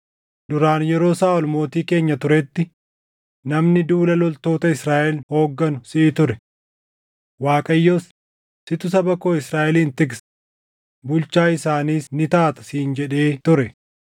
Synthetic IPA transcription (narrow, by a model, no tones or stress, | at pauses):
d̪ʊɾaːnjɛɾo̞ːsaːɔlmo̞ːt̪iːke̞ːɲːɐt̪ʊɾɛt̪ːɪ | nɐmnɪd̪uːlɐlɔlt̪o̞ːt̪ɐɪsɾaːʔɛlho̞ːɡːɐnʊsɪʔːt̪ʊɾɛ | waːkʼɐjːoːs | sɪt̪ʊs̬ɐbɐko̞ːɪsɾaːʔɛliːnt̪ɪɡs | bʊlt͡ʃaːɪsaːniːsnɪt̪aːt̪ɐ̥siːnd͡ʒɛᶑe̞ːt̪ʊɾɛ